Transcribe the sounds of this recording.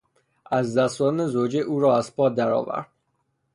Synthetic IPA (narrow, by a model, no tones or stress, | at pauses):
ʔæzd̪æst̪ɒːnezod͡ʒeʔuːɾɒːæzpʰɒːd̪æɾɒ̰ːvæ̰ɾd̪̥̚